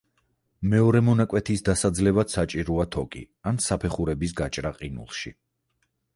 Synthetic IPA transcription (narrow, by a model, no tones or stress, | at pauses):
mɛɔɾɛmɔnakʼwɛt̪ʰisd̪asad̪zlɛvad̪̥sat͡ʃʼiɾɔat̪ʰɔkʼḭ | ansapʰɛχuɾɛbis̬ɡat͡ʃʼɾaqʼinṵlˠʃḭ